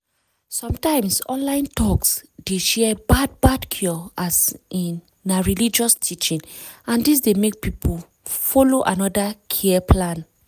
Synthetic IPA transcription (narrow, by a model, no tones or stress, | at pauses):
sɔ̃mtãɪ̃msɔ̰̃nlãɪ̃ntɔksd̥eʃɛɛbad̚badkʰjɔasĩnː | aɹilid͡ʒɔstʰit͡ʃĩnãndis̬demek̚pipʰol | fɔloʔanɔdakʰiɛpʰlãn